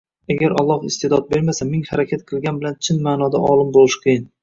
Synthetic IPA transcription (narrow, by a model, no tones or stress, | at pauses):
aɡʲaɾɒlˠːɒhɪst̪e̞d̪ɒt̪̚be̞ɾmasamɪŋhaɾakʲʰat̪̚qʰɨlˠɡʲanbɪlant͡ʃʰɪnmaːnɒd̪aʔɒlˠɪmbolˠɪʃqʰɨjɪn